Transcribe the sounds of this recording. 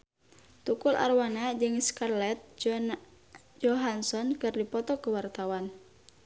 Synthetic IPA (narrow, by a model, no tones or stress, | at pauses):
t̪ukulʔa̰rwanad͡ʒɨŋskarlɛt̪̚ | d͡ʒɔɦansɔnkɨrdipɔt̪ɔkəwart̪awan